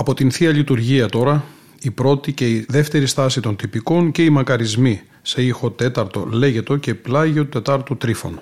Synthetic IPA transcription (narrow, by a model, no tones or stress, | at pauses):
ɐpo̞t̪inθiɐlit̪uɾʝiɐt̪o̞ɾɐ | ipɾo̞t̪ice̞iðe̞ft̪e̞ɾist̪ɐsit̪o̞nt̪ipiko̞nce̞imɐkɐɾizmi | se̞ixo̞t̪e̞t̪ɐɾt̪o̞̰le̞ʝe̞t̪o̞ce̞plɐʝot̪e̞t̪ɐɾt̪ut̪ɾifo̞̰n